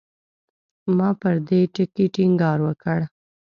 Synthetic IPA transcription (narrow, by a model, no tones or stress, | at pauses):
mɑpəɾd̪eʈəkiʈiŋɡɑɾwəkəɽ